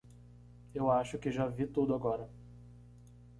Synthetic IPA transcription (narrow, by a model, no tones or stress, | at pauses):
ewaʃʊkɪʒavit̪ud̪ʊaɡɔɾɐ